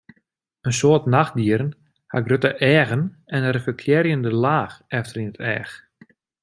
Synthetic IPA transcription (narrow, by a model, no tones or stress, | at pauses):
ənsoərtnaxdiəɾən | ha̰ɡrøtəʔɛːɣən | ɛnɛrəfəkʰljɛɾjəndəlaːxɛftərinətɛ̰ːx